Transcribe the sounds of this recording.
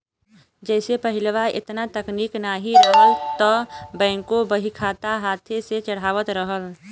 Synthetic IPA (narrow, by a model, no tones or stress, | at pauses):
d͡ʒɛːsepəɦɪlʋaɪ̰t̪nat̪əkniːknaːɦialt̪ɔbɛ̃ːŋkobəɦikʰaːt̪aɦaːt̪ʰeset͡ʃəɽ̤aːʋət̪ɾəɦəl